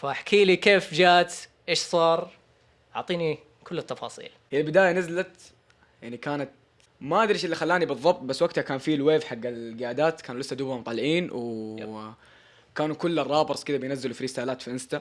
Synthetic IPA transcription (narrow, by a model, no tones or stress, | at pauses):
faʔaħkʰiːlikeːfd͡ʒaːt̪ʔeːʃsˤɑːɾˤ | ʔʊʕt̪ˤiːni | kʊlːɪt̪ːɑfɑ̰ːsˤḭːlhijːabɪd̪aːjanɪzlat̪ | jaʕnikaːnat̪ | maʔad̪ɾiʃɪlːixalːaːnibɨðˤːɑb̚t̪̚ˤbasːwaɡ̚t̪hakaːnfilweːvħaɡːalɡɪjaːd̪aːt̪kaːnulɪsːad̪uːbamt̪ˤːɑlːʕiːnw | kaːnukʊlːɪrˤːɑːbɨɾsˤkɪd̪abɪjnazːɪlufiɾɪsaːlaːt̪fiʔɪnst̪a